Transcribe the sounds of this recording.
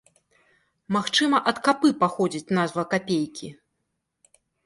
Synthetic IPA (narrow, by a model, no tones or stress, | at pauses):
maxt͡ʂɨmɐʔɐt̪kapɨpaxɔd͡zʲit͡sʲnazvɐkapʲejkʲʰi